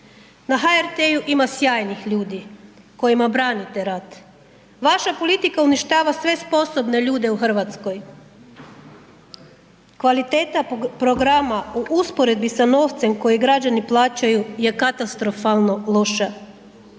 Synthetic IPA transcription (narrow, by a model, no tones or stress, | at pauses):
naɦaeɾt̪ejuʔimasjaːjnixʎuːd̪i | ko̞jimabɾaːnit̪e̞ɾat̪ | ʋaʃapo̞lit̪ikauniʃt̪aːʋasʋe̞spo̞so̞bne̞ʎuːd̪e̞uxr̩ʋat̪sko̞j | kʋalit̪eːt̪apɾo̞ɡɾamauʔuspo̞ɾe̞d̪̚bisano̞ːʋt̪se̞mko̞jiɡɾad͡ʑaniplˠaːt͡ɕajuje̞kat̪ast̪ɾo̞falˠno̞lˠo̞ʃa